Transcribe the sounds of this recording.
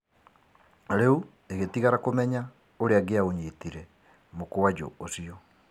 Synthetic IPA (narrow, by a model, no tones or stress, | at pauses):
ɾeu | eɣetiɣaɾakomɛɲa | oɾeaɡeaoɲetiɾɛ | mokoad͡ʒo̰osiɔ